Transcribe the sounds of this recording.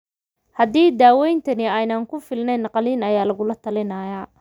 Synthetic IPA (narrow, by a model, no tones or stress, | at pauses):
hɐd̪iːd̪aːwɛjnt̪ʰɐnɪɛjnɐŋkʰʊfɪlnɛjnːɑqɑliːnɐjaːlɐɣʊlɐt̪ʰɐlɪnɐːjaː